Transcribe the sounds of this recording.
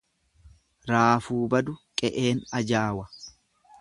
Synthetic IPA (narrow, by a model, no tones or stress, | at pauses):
ɾaːfuːbɐd̪ʊkʼɛʔe̞ːnɐd͡ʒaːwɐ